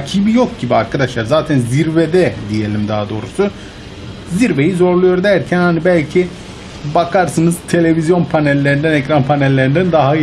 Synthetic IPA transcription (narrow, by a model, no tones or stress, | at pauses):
cʰibijo̞k̚ɟibiaɾkʰad̪aʃlˠaɾzaːt̪ʰænziɾvɛd̪ɛd̪ije̞lʲimd̪aːd̪o̞ːɾusu | ziɾve̞jizo̞ɾlˠujo̞ɾd̪æɾcʰænhanibælʲcʰi | bakʰaɾsɯnɯz̥t̪ʰe̞lʲe̞vizjo̞npʰanelʲːe̞ɾind̪ænɛcɾanpʰanelʲːe̞ɾind̪ænd̪aɦa